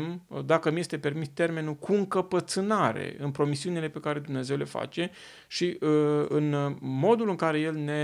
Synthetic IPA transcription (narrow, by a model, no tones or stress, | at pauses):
md̪akəmjest̪e̞pe̞rmist̪e̞rme̞nulkuɨŋkəpət̪sɨnaɾe̞̰ɨnpɾo̞misiunile̞pe̞kaɾe̞d̪umne̞ze̞wle̞fa̰t͡ʃe̞ | ʃiɨɨnmo̞d̪ulɨŋkaɾe̞je̞lne̞